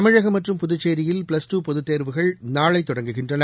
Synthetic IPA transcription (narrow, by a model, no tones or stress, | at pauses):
ɐmɪɻɐɣɐmːɐʈrɯmpʊðʊt͡ʃːeːɾɪjɪlpɭɐsʈuːpɔðɯt̪ːeːɾʋɯɣɐɭnaːɭɐɪt̪ːɔɽɐŋɡɯɣɪndrɐnɐ